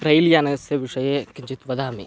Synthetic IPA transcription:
pɾɐjljaːnɐseʋiʂɐjeːkiɲd͡ʒit̪ʋɐd̪aːmḭ

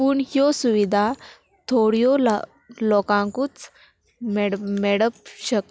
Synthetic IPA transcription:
puːɳɦjɔsuʋid̪ʱa | t̪ʰoɽjɔl | lɔkãŋkuːt͡s | mmeɽəpɕək̚

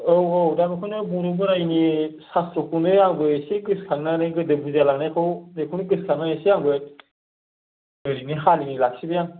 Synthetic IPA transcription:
owowdamɯkʰunɯbuɾɯbɯɾajinisasɾokʰunɯaŋɡɯjsiɡɯskʰaŋnanajɡɯdɯbuzalaŋnajkʰɯwdekʰunɯɡɯskʰaŋnajesijaŋɡɯj | ɯɾiniɦalinilak̚sibɯjaŋ

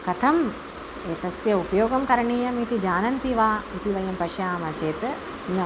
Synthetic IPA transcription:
kɐt̪ʰɐm | eːt̪ɐsjɐupɐjoːɡɐmkɐɾɐɳiːjɐmit̪id͡ʒaːnɐnt̪iʋaːit̪iʋɐjɐmpɐʃjaːmɐt͡ʃeːt̪ɨ | nɐ

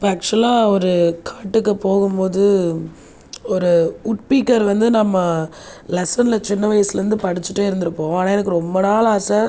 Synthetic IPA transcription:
ɪpːɐɐk̚t͡ʃlãːɔɾɯkʰaːʈːɯkːɯpoːɣɯmpoːðɯ | ɔɾɯʊʈ̚piːkːɐɾʋɐnd̪ɯnɐmːɐlɛsɐnlɐt͡ʃɪnːɐʋɐjɐsɯlɐɾɯnd̪ɯpɐɽɪt͡ʃːɯ̥ʈːeːɪɾɯnd̪ɯɾɯpːõːɐnaːɛnɯkːɯɾɔmbɐnaːlaːsɐ

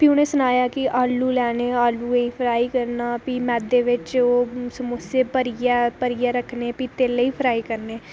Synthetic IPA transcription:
piʊneːsʊnaːjaːkɪʔaːlːuːlɛːneːaːlːuːeĩːpʰəɾaːiːkəɾnaːpiːmɛːd̪eːʋɪt͡ʃoːsəmʊseːpəɾijaːpəɾɪjaːɾəkʰneːpiːt̪eːləiːpʰɾaːiːkəɾneː

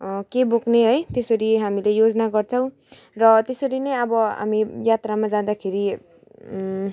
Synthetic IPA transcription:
kebokneɦʌjt̪esʌɾiɦamilejod͡zʌnaɡʌrt͡sʰʌ̃w̃ | rʌt̪esʌɾinʌjʌbʌɦa̰mijat̪ramad͡zãd̪akʰeɾi

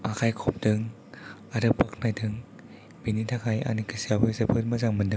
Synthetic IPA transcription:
akʰajkʰɔp̚dɯŋ | aɾɯpak̚ʰnajdʰɯŋ | binitʰakʰaja̰nikɯsiabɯjzebʰɯt̚mɐzaŋmɯndɯŋ

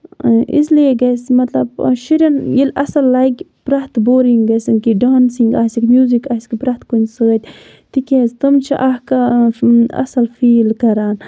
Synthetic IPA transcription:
ʔḭzleːɡɐsmɐt̪lɐbʃiɾʲɐnjilɐsɐlːaɡʲ | pɾɐht̪boːɾiŋɡɡɐsiŋkiɖaːnsiŋɡaːsikmjuːzikaːsʲi̥kpɾɐht̪kunʲsɨɐt̪ʲ | t̪ikʲezt̪ɐmt͡ʃʰiʔɐhka | ɐ̰sɐlfiːlkɐɾaːn

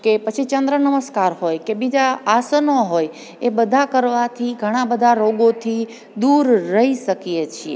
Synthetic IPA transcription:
kepət͡ʃʰit͡ʃənd̪ɾənəməskaɾɦojkebid͡ʒaːsənoɦoj | ebəd̪ʱakəɾʋat̪ʰiɡʱəɽ̃ãbəd̪ʱaɾoɡot̪ʰi | d̪uɾːəɦiʃəkijet͡ʃʰiḛ

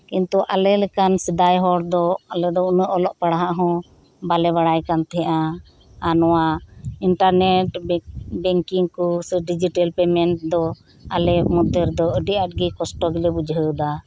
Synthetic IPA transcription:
kint̪uʔa̰lɛlɛkansəd̪ajɦɔɽd̪ɔalɛd̪ɔunəʔɔlɔʔpaɽaɦaʔɦɔ̃ | balɛβaɽajkant̪ɛɦʔa | anɔwaiɳʈaɾnɛʈbɛŋkiŋkɔsɖid͡ʒiʈɛlpɛmɛnʈ̚d̪ɔ | alɛmɔd̪əɾd̪ɔəɖiʔaʈ̚ɡikɔsʈɔɡilɛbud͡ʒʱəd̪a

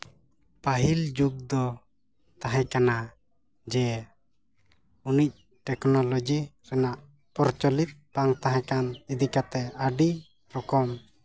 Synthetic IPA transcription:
paɦild͡ʒuɡ̚d̪ɔ | t̪aɦɛ̃kana | d͡ʒɛ | unic̚ | ʈɛknɔlɔd͡ʒiɾɛnaʔ | pɔɾt͡ʃɔlit̪̚baŋt̪aɦãkanid̪ikat̪ɛaɖi | ɾɔkɔm

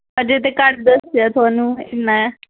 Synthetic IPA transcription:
əɾd͡ʒeːt̪ekəʈd̪əsjaːt̪ʊaːnũːɪnːaɛ

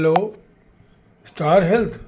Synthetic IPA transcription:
lo | sʈaːɾɦelt̪ʰ

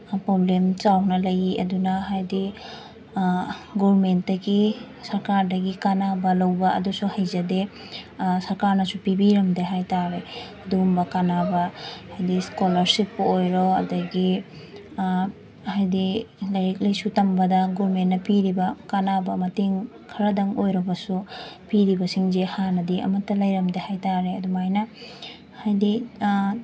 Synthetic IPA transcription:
pɾoblemt͡ʃawnɐlɐjiɐdunaɦajdi | ɡɔɾmentdɐɡi | sɐɾkaɾdɐɡikanabɐlawbɐ̰ːdusuhɐjzɐde | sɐɾkaɾnɐsupibiɾɐmdeɦajtaɾeɐdumbɐkanabɐhajdiskolɐɾsipːuojɾowɐ̰dɐɡi | hajdilɐjɾik̚lɐjsutɐmbɐdɐɡɔɾmenːɐpiɾibɐkanabɐmɐteŋ | kʰɐɾɐdɐŋojɾɐbɐsupiɾibɐsiŋzehanɐdiɐ̰mɐtːɐlɐjɾɐmdehajtaɾeɐdumajnɐ | hajdi

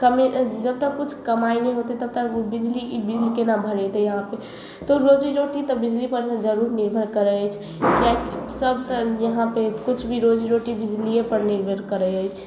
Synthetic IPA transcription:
kəmed͡ʒəb̚t̪əkkut͡ʃʰkəmaineɦot̪ɛt̪əb̚t̪əkbid͡ʒlibid͡ʒlikenabʱəɾɛt̪ɛjəɦãpe | t̪oɾod͡ʒiɾoʈit̪ɔbid͡ʒlipəɾned͡ʒəɾuɾniɾbʱəɾkəɾɛəjt͡ʃʰ | kaksəbt̪əjəɦãpekut͡ʃʰbʱiɾod͡ʒiɾoʈibid͡ʒliepəɾniɾbʱəɾkəɾɛəjt͡ʃʰ

